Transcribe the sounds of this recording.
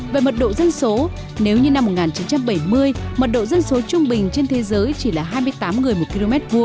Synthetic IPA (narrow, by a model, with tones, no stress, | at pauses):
veː˨˩mə˨˩t̚ɗo̰˧˨zə˧nso˨˦ | ne˨˦wɲɨ˧na˧mː˨˩t̚ŋaː˨˩nt͡ɕi˨˦nt͡ɕa˧mɓə˧˩jmɨ˧əjmə˨˩t̚ɗo̰˧˨zə˧nso˨˦t͡ɕʊ˧ŋ͡mɓï˨˩ŋ̟t͡ɕe˧nt̪ʰe˨˦zəː˨˦jt͡ɕi˧˩laː˨˩ɦaː˧jmɨ˧əjt̪aː˨˦mŋɨ˨˩əjmo˨˩t̚ki˧lo˧mɛ˦˥t̚vu˧ə